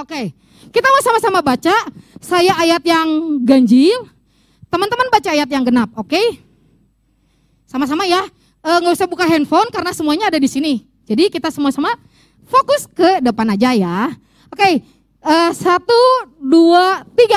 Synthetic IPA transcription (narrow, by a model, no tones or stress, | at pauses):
oke | kit̪amasamasamabat͡ʃasajaʔːjat̪̚jaŋɡaɲd͡ʒɪl | t̪əmənt̪əmənbat͡ʃaːjat̪̚jaŋɡənap̚oke | samas̬amaja | əːŋɡausahbukaɦɛnfonkaɾənasəmuaɲaːdadisini | d͡ʒadikit̪asəmuasama | fokʊskədəpanad͡ʒaja | oke | əːsat̪uduat̪iɡa